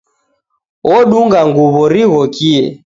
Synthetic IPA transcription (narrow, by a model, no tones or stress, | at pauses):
wɔɗuŋɡaŋɡuβɔɾiɣɔkiɛ